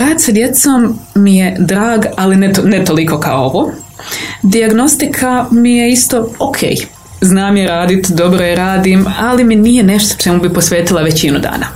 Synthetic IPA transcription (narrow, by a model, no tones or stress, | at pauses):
ɾaːd̪sad̪je̞t̪soːmːije̞d̪ɾaːɡalinet̪onet̪o̞liko̞ka̰ooʋoː | d̪iaɡno̞st̪ikʰamije̞ist̪o̞okʰḛːj | znaːmjeɾaːd̪it̪d̪o̞bɾojeɾaːd̪imaliminije̞ne̞ʃt̪o̥t͡ʃe̞mubipo̞sʋe̞ːt̪ilˠaʋe̞t͡ɕinud̪a̰ːna